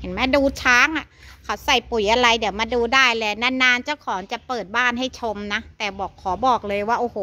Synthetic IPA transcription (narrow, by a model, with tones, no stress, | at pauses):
he˨˩˦nmɛ˦˧˥duː˧t͡ɕʰaː˦˥ŋʔa˨˩kʰa˦˥wsa˨˩jpu˨˩˦jʔa˧ɾa˧jdi˩˦wmaː˧duː˧daː˥˩jlɛː˧naː˧˥nːaː˧˥nt͡ɕa˥˩wkʰɔː˩˦ŋt͡ɕa˨˩pɤː˨˩t̪̚baː˥˩nha˥˩jt͡ɕʰo˧mna˦˥t̪ɛː˨˩bɔː˨˩kʰːɔː˩˦bɔː˨˩k̚lɤː˧jwaː˥˩ʔoː˨˩hoː˨˩˦